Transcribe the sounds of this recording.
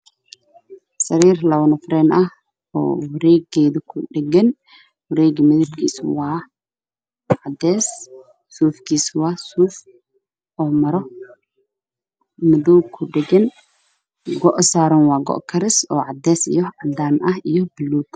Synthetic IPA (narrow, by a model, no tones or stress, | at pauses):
sɐɾiːrlɐwnɐfɾɛːnʔɐh | ɔ̰ːwʊɾɛːɡɛːðʊkʰʊɗɛɡɛn | wʊɾɛːɡmɪðɪbkʰḭːswaː | ʕad̪ɛːsː | uːfkiːswaːsuːf | ʔɔːmɐɾɔ | mɪðuwkʰʊɗɛɡɛn | ɡɔʔsaːɾɔnwaːɡɔ̰ʔkʰɐɾɪsɔ̰ːʕad̪ːɛːsɪ̰jɔʕɐd̪aːnʔɐhɪjɔbɪlːuːt̪